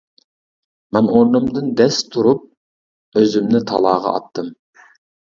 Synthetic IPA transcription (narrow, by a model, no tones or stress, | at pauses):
mɛnoɾnɨmd̪ɨnd̪ɛst̪ʰuɾup̚ | øzymnɪt̪ʰɑ̰lˠɑːʁɑ̰ɑ̰t̪ʰːɨm